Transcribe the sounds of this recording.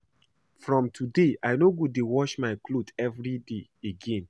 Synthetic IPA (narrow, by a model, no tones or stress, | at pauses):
fɹɔ̃mtʰudeʔaɪnoɡudewɔʃmaɪklodɛvɹideeɡẽn